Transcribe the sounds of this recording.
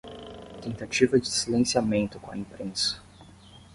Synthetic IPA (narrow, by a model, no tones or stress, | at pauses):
t̪ẽnt̪at͡ʃivɐd͡ʒɪsilẽsiamẽnt̪ʊkõɐĩpɾẽsɐ̥